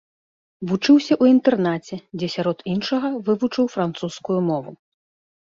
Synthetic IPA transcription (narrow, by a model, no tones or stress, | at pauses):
vut͡ʂɨwsʲɐʔuint̪ɛrnat͡sʲɛd͡zʲɛsʲaɾɔt̪inʂɐɣɐvɨvut͡ʂɨwfɾant̪suskujumɔvṵ